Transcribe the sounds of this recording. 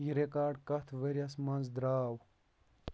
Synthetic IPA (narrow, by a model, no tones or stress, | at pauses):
jiɾekaːɾɖkɐt̪ʰʋɐɾjɐsmɐnzd̪ɾaːw